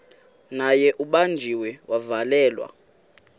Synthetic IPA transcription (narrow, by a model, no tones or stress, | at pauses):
najɛʔuɓand͡ʒʱiwɛwavalɛːlwa̰